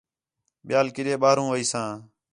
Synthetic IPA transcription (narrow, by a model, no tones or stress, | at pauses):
ɓɪjaːlkɪɗeːɓaːɾũːʋəiːsãː